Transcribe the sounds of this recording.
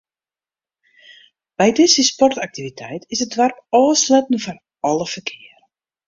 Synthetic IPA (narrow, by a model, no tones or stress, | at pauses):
b̥ɛjdɪsəspɔrtak̚tivitʰɛjtɪsət̚dʋarpɔːslɛtən̩fɔn | ɔləfərkʰɪərə